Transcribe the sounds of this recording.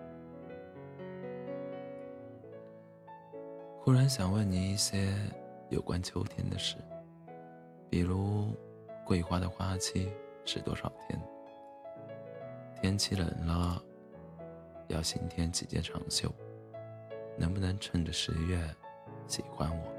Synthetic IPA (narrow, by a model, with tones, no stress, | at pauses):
t̪ʰu˥ɻa˧˥nɕjɑ˨˩ŋwə˥˩nni˨˩i˥˩ɕjɛ˥ | jo̰˨˩ʊkwa̰˥nt͡ɕʰjo˥ʊt̪ʰjɛ̰˥nd̪ə˨ʂɻ̩˥˩ | pi˨˩ɻu˧˥ | kwe˥˩ɪxwa˥d̪ə˨xwa˥t͡ɕʰi˥ | ʂɻ̩˥˩t̪wɔ̰˥ʂɑ˨˩ʊt̪ʰjɛ̰˥n | t̪ʰjɛ˥nt͡ɕʰi˥lə̰˨˩nlə˧ | jɑ̰˥˩ʊɕḭ˥nt̪ʰjɛ˥nt͡ɕi˨˩t͡ɕjɛ̰˥ʈ͡ʂʰɑ̰˨˧˩ŋɕjo̰˥˩ʊ | nʔɤ˧˥ŋpu˥˩nɤ˧˥ŋʈ͡ʂʰə˥˩ŋʈ͡ʂə˨˩ʂɻ̩˧˥ɥɛ˥˩ | ɕḭ˨˩xwa˥nwɔ̰˨˩˦